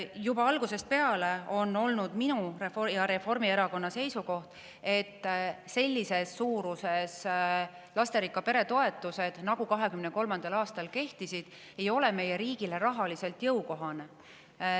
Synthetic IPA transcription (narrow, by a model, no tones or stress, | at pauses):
jubɑɑlɡuse̞st̪̚pe̞ɑle̞o̞nːo̞lnud̪̥minurefjɑɾe̞fo̞rmie̞ɾɑko̞nːɑse̞jsuko̞ht̪ | e̞t̪ːse̞lʲːise̞sːuːɾuse̞s | lɑst̪e̞ɾikːˑɑpe̞ɾe̞t̪o̞e̞t̪ːˑuse̞d̪̥nɑɡukɑɦe̞kymne̞ko̞lmɑnd̪̥ɑlɑːst̪ɑlke̞ht̪isid̪̥ | e̞jo̞le̞me̞je̞ɾiːɡ̥ile̞ɾɑɦɑlise̞lt̪jɤwko̞ɦɑne